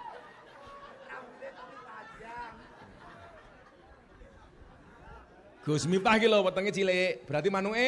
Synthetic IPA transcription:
amet̪itad͡ʒa | ɡ̥o̤smit̪ahkilɔwət̪əŋet͡ʃileb̥əɾat̪̬imanʊŋe

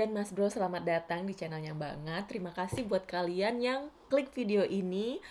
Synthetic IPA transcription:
anmasbɾosəlamat̪̚dat̪aŋdit͡ʃanɛljaŋba̰ŋət̪ːəɾimakasɪhbuat̪̚kalianjaŋkəlɪk̚fideoʔini

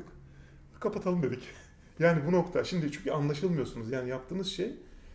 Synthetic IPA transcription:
k | kʰapʰat̪ʰalˠɯmd̪e̞d̪ic | jaːnibuno̞kt̪ʰaʃimd̪it͡ʃʰyɲcʰyanlˠaʃɯlˠmɯjo̞sunuzjaːnijapt̪ʰɯːnɯzʃej

